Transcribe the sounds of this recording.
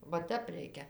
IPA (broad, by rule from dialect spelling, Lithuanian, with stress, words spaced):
ʋɐ ˈtʲɛp ˈrʲɛɪkʲɛ